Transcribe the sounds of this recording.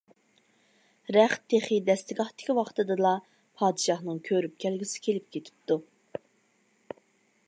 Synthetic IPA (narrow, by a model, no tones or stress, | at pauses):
ɾæχt̪ʰːeχid̪ɛst̪ɪɡʲɑχt̪ɪ̥kʲiwɑqt̪ɨd̪ɨlˠɑ | pʰɑːd̪ɨʃɑχnɨŋkʲʰøɾyp̚kʲʰɛlɡʲisɪ̥kʲʰelɪp̚kʲet̪ʰɪ̥p̚t̪u